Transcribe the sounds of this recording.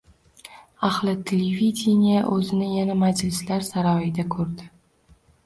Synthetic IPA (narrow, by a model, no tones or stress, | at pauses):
aχlˠɪt̪ʲʰelevʲid̪ʲɪnʲijaʔɵzɪnɪjanamad͡ʒlɪslaɾsaɾɒjɪd̪akʰɵɾd̪ɪ